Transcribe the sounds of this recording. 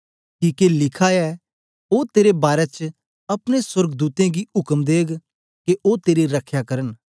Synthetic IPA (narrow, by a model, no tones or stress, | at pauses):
kiːkelɪkʰaɛ | oːt̪eːɾebaːɾɛt͡ʃ | ɐpɽ̃eswəɾɡd̪uːt̪ẽɡiʊkəmd̪eːɡ | keʔot̪eːɾiɾəkʰjakɐɾən